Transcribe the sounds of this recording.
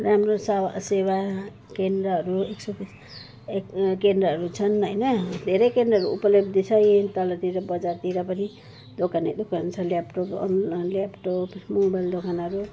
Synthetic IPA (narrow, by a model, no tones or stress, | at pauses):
ɾamɾosawaseβa | kend̪ɾʌɦʌɾueksok | ekkend̪ɾʌɦʌɾut͡sʰʌnʌjnʌd̪ʱeɾʌjkend̪ɾʌɦɾuṵpʌlʌbd̪it͡sʰʌjt̪ʌlʌt̪iɾʌbʌd͡zaɾt̪iɾʌpʌni | d̪okaned̪okant͡sʰʌljapʈopnlapʈopmobajld̪okanʌɾu